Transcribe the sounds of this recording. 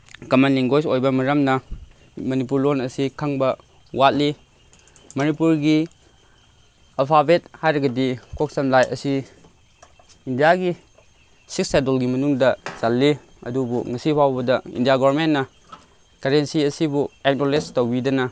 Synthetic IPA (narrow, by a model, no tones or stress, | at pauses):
kɐmanliŋɡojsojbɐmɐɾɐmnɐ | mɐnip̬uɾlonɐsikʰɐŋbɐ | wat̚li | mɐnipuɾɡi | ɐpʰabet̚hajɾɐɡɐdikok̚sɐmlajɐ̰si | indijaɡi | sik̚sadolɡimɐnuŋdɐsalːi | ɐ̰dubuŋɐsipʰawbɐdɐḭndijaɡɔɾmennːɐ | kɐɾensiɐsibuekdolestowbidɐnɐ